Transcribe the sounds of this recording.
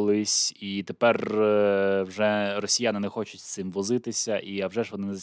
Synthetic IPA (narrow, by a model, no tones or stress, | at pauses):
lˠɪsʲit̪epɛr | wʒɛrɔsʲijanɪnɛxɔt͡ʃʊtʲst̪ɪmʋɔzɪt̪ɪsʲɐʔiɐwʐɛʐʋɔnɪnɛz